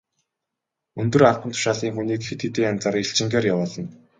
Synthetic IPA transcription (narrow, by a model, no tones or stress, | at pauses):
ɵnt̪ɵ̆rarpə̆nt̪ʰʊ̥ʃaːɮiːŋxuniːkxet̪it̪eːŋant͡saːriɬt͡ɕɪ̆ŋɡeːrjawʊːɮɞ̆n